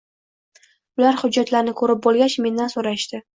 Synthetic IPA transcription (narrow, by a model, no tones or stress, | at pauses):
ʊlaɾhʊd͡ʒːat̪laɾnɪkʰɵɾɪp̚bolˠɡʲat͡ʃme̞nd̪ansoɾaʃt̪ɪ